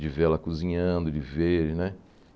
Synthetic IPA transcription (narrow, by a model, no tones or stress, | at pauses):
d͡ʒɪvɛlɐkuzĩɲɐ̃d̪ʊd͡ʒɪveɾnɛ